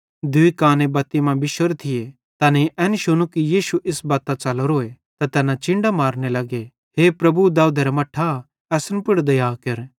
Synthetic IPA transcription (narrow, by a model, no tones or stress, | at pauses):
d̪ʊikaːnebɐt̪ːimãbɪʃəɾt̪ʰɪje | t̪aːnẽʔɛːnʃʊnukijiːʃuʔɪsbaːt̪at͡ʃɐloɾoːe | t̪at̪ɛːnãt͡ʃɪ̃ɳɖamaːɾnelɐɡe | ɦepɾɐbud̪aːud̪ʱɐɾɐmɐʈʰːa | ɛːsənpʊɽd̪ɐjaːkɐɾ